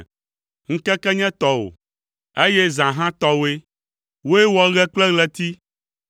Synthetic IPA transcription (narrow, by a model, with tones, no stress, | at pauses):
ŋ̩˦kɛ˦kɛ˦ɲɛ̃˦t̪ɔ˨wo̰˨ | e˦jɛ˦zã˨ɦã˦t̪ɔ˦we˦ | wo˦e˦wɔ˦ɣɛ˦k͡plɛ˦ɣlɛ˨t̪i˦